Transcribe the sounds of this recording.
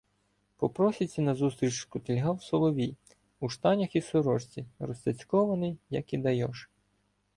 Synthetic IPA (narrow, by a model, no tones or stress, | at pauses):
pɔpɾɔsʲit͡sʲːɐnɐzust̪ɾʲit͡ʃkʊt̪elʲɦɑwsɔlˠɔʋʲij | uʃt̪ɑnʲɐxisʊɾɔʃt͡sʲiɾɔsʲt̪ʲɐt͡sʲkɔʋɐnɪjjɐkid̪ɐjɔʃ